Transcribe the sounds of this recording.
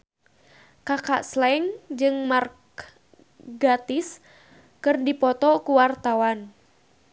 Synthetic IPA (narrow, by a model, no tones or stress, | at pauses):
kakaʔslɛŋd͡ʒɨŋmark | ɡat̪ɪs | kɨrdipɔt̪ɔkuwart̪awan